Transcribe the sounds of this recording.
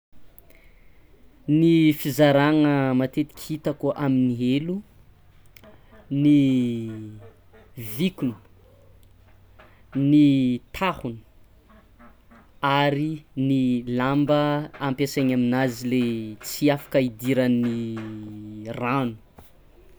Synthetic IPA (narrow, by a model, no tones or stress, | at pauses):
nifizaɾaŋəmat̪et̪i̥kʲʰhit̪əkuʔaminiɦelu | ni | vikunu̥ | nit̪ʰahuni̥ | aɾinilambəampesaɲaminazilet͡siafḁkəid̪iɾəni | ranu̥